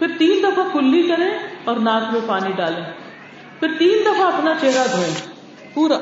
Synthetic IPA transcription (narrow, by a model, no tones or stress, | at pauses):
pʰɪɾt̪iːnd̪əfʰãːkʰʊlːiːkəɾẽːɔːɾnaːkʰʋeːpaːniːɖaːlẽː | pʰɪɾt̪iːnd̪əfʰãːəpnaːt͡ʃeɦɾaːd̪ʱoːẽː | puːɾa